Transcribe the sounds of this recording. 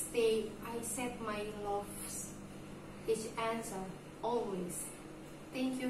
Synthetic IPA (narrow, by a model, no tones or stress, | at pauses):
sdeajsɛt̚majlɔf | s | ɪt͡ʃæ̃nsə˞ | ɔlwez̥ | θɛ̃ŋkʰju